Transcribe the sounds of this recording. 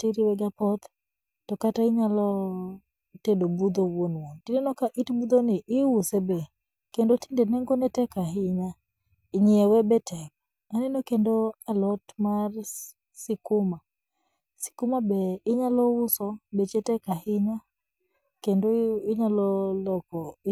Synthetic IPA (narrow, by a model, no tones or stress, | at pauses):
tiɾiwɛɡapɔt̪ | tɔkataɪɲalɔ | tedobud̪owonwɔtinenɔkaʔitbud̪onɪʔɪwusebɛ | kendotindenɛŋɡɔnɛtɛkaɦɪɲa | ɪɲiɛwɛbɛtʰɛk̚ | anɛnokendoalɔtmar | sɪkʊma | sɪ̥kʊmabɛɪɲalɔwʊsɔbet͡ʃetɛkahɪɲa | kendoɪɲalɔlɔkɔ